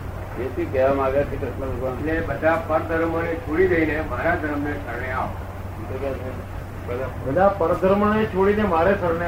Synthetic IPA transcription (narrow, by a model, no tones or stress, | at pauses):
d͡ʒet̪ikəjamaɡjakʰekɾɪʃnaləɡʋanlebəd̪ʱapəɾd̪ʱəɾmanet͡ʃʰoɽid̪əinemaɾad̪ʱəɾmnesəɾɳeaʋ | it̪ekɛt͡ʃʰe | bəd̪abəd̪ʱapəɾd̪ʱəɾmanet͡ʃʰoɽinemaːɾesəɾɳe